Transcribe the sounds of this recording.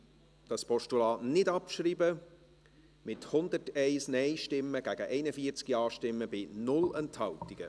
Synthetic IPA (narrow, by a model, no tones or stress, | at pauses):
d̥ɑspʰɔʃtulɑːnɪdɑpʃriːbə | mɪthʊnd̪ərtɛɪsnɛjʃtɪmːəɡ̥æɡəʔɛɪnəfiət͡skiɑːʃtɪmːəbɪnʊlɛnthɑltiɡ̥ə